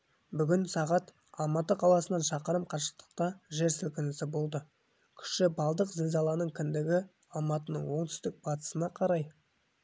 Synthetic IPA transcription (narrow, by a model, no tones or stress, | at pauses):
bʏɡʲɪnsɑʁɑt̪ | ɑlˠmɑt̪əqʰɑlˠɑsənɑnʃɑqəɾəmqʰɑɾʃə̥q̚t̪ə̥q̚t̪ɑʒe̞ɾsɪlkʲɪnɪsɪbo̞lˠd̪ə | kʲʰʏ̥ʃɪbɑlˠd̪əqzɪlʲzɑlˠɑnəɴkʲʰʏnd̪ɪɡʲɪ | ɑlˠmɑt̪ənə̰ɴwo̞ɴt̪ʰʏ̥st̪ɪk̚b̥ɑt̪ə̥sənɑqʰɑɾɑj